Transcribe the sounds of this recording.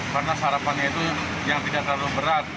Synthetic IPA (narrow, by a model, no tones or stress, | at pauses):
karnasəɦaɾapanɲait̪u | jaŋt̪idaʔt̪əlalʊhbəɾat̪̚